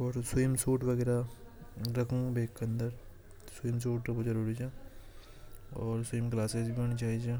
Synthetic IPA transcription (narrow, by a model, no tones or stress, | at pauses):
ɔːɾswiːmsuːʈʋɐɡɛːɾa | ɾɐkʰũbʱeːkːeɐ̃nd̪əɾ | swiːms̬uːʈɾabozɐɾuːɾid͡ʒɛ | ɔːɾswiːmklaːsezbʱiɦoːnit͡ʃaːɦid͡ʒe